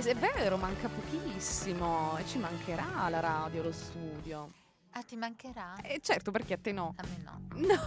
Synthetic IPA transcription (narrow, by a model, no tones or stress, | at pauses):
sɛvːɛːɾomaŋkapok̟isːimoet͡ʃːimaŋkʰeɾalaɾaːd̪jolost̪uːd̪jo | at̪ːimaŋkeɾaɛt͡ʃːɛrt̪operk̟eat̪ːenɔamːenɔ̰nɔ